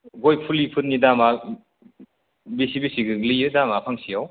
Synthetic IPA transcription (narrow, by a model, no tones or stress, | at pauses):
ɡojpʰulipʰut̚nidama | bisibisiɡɯlijɯdamapʰaŋsiaw